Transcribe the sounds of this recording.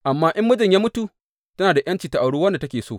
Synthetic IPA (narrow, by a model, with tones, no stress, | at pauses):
ʔa˨mːaː˦ʔɪ˦mːʊ˦d͡ʒɪ˨ɲjaː˦mʊ˦tu˨ | tɐ˦naː˨da˨j̰ɐ˦nt͡ʃi˨ta˨ʔa˨ɽuː˦wɐ˦nda˨tɐ˦kʲeː˨soː˦˨